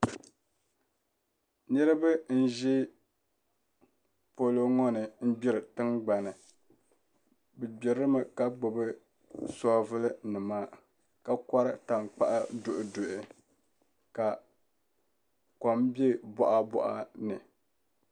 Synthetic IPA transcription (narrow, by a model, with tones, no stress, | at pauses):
nɨ˦ɾɨ˦bɨ˦n̩˦ʒi˦ | po˨lo˦ŋɔ˦nɨ˨m̩˦bi˦ɾɨ˨tɨ˦ŋɡ͡ba˨nɨ˨ | bɨ˨bɪ˨ɾɨ˦mɨ˨ka˦ɡ͡bʊ˨bɨ˦ | sɔ˦vɨ˦lɨ˦nɨ˨maː˦ | ka˨ka˦ɾɨ˦ta˨ŋk͡pa̰˦ʔa˦dʊ˨ʔʊ˨dʊ˨ʔɪ˦ | ka˨ | kɔ˨mbe˦bɔ̰˦ʔa˦bɔ̰˨ʔa̰˨nɨ˨